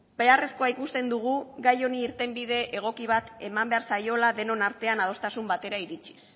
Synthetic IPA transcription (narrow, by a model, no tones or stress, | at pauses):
be̞are̞sko̞aikust̪e̞nd̪uɣ̞uɡajo̞niːɾt̪e̞mbið̞e̞ʔeɣ̞o̞kiβ̞at̪e̞mambe̞aɾsajo̞laðe̞no̞naɾt̪e̞anað̞o̞st̪asumbat̪e̞ɾaiɾit͡ʃi̥s